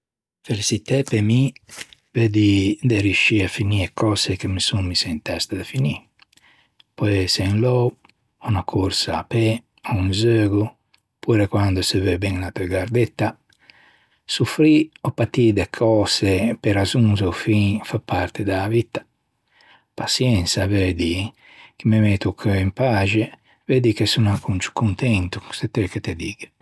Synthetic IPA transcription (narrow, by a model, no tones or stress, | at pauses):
felisit̪ɛpemi | ved̪id̪eɾjuʃiafiniekʰɔːzekemisummisent̪ɛst̪ed̪efini | pɔesenlɔw | unakʰuɾsaːpe | ounzøːɡu | puɾekwand̪osevebɛŋlat̪øɡaɾd̪et̪ːa | sufɾiɔpːat̪id̪ekʰɔːsepeɾazuŋzofĩfapːaɾt̪ed̪aːvit̪ːḁ | pasjɛnsavɛd̪i | k̟imemet̪ukʰøimpad͡ʒe | ved̪ikesunakʰːunt͡ʃu̥kunt̪ɛnt̪u̥set̪ːeket̪ed̪iːɡ̥e